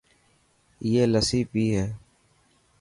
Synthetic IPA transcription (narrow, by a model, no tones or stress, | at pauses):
jeːləsiːpiːɦɛː